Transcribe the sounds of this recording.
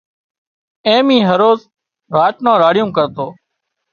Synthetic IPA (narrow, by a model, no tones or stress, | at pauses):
ẽːmĩːɦəɾoːz | ɾaːt͡ʃnãːɾaːɽɪjũːkəɾt̪oː